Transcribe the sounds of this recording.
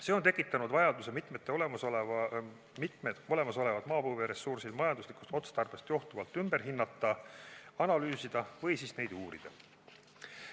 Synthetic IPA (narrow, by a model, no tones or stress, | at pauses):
se̞ːo̞nt̪e̞kːˑit̪ːˑɑnud̪vɑjɑd̪use̞mit̪ˑmet̪ˑːe̞o̞le̞mɑsol | mit̪ˑmed̪o̞le̞mɑso̞le̞vɑd̪̥mɑːpɯːveɾe̞sursilmɑjɑnd̪usliku̥st̪o̞t̪sd̪̥ɑrb̥e̞st̪joht̪uvɑlt̪ːˑymbe̞rɦinːɑt̪ːˑɑɑnɑlyːsid̪̥ɑvɤjsiːsne̞jd̪̥uːɾid̪̥ɑ